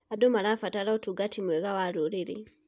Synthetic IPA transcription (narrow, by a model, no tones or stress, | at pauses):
adɔmaɾafataɾaɔtuɡatʰimwɛɣawaɾuɾiɾḭ